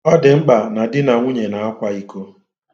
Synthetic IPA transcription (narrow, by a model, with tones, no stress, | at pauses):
ɔ˦dɪ˨ŋ͡m̩˦ɡ͡ba˨na˨dɪ˦na˨ŋʷu˦ɲe˨na˨a˦kʷa˦i˦ko˦